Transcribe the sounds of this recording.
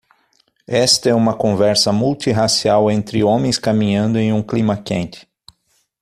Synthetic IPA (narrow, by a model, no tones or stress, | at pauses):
ɛst̪ɐɛũmɐkõvɛɾsɐmult̪iɦasiawẽnt̪ɾɪõmẽj̃skamĩɲɐ̃nd̪ʊẽj̃ũklĩmɐkḛ̃nt̪ɪ̥